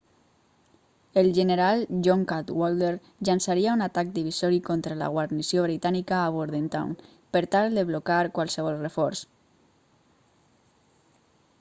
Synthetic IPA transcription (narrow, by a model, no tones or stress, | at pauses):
elʒeneɾalʒɔŋkat̪wold̪eɾ | ʎansaɾiaunat̪ak̚d̪iβisɔɾikont̪ɾala̰ɣwaɾnisjoβɾit̪anikaːβoɾðent̪a̰wn | peɾt̪ald̪eβlokaɾkwalseβ̞ɔlˠrefɔɾs